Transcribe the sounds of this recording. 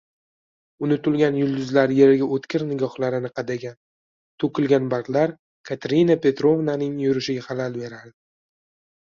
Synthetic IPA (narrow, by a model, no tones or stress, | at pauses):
ʊnɪt̪ʰʊlˠɡʲanjʊlˠd̪ʊzlaɾje̞ɾɪɡʲaʔot̪kʲɪɾnɪɡʲɒχlaɾɪnɪqʰɑd̪aɡʲan | t̪ʰokʲʰɪlɡʲanbaɾqlaɾ | kʰat̪ʰɾinapʰʲe̞t̪ɾo̞vnanɪŋjʊɾɪʃɪɡʲahalalbe̞ɾaɾd̪ɪ